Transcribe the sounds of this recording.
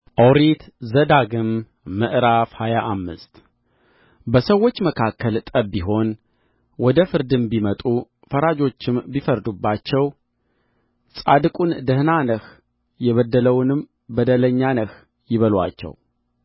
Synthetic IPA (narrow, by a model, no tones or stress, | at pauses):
ʔowɾit̪zəd̪aɡɨmː | ɨʔɾafhajaʔamːɨ̰st̪ | bəsəwːo̞t͡ʃːməkʰakːəlt̪ʼəbːiɦo̞n | wɔd̪əfɨɾd̪ɨmbimət̪ʼu | fəɾad͡ʒo̞t͡ʃːɪmbifəɾd̪ubːat͡ʃːɛw | sʼad̪ɨkʼund̪əhnanəh | jɛβəd̪ːələwnɨm | bəd̪ələɲːanəh | jɪβəlwa̰t͡ʃːɛ̰w